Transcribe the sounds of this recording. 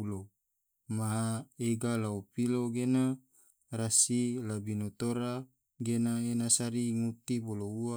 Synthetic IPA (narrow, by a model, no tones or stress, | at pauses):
ulo | maɦaeɡalaupiloɡena | rasilabinot̪oɾa | ɡenaenasaɾiŋut̪iboloua